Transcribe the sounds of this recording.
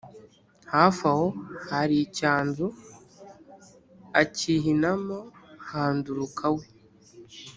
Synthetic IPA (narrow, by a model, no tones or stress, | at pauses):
hafahohaɾicaːnzu | aciɦinamohaːnduɾukʰawe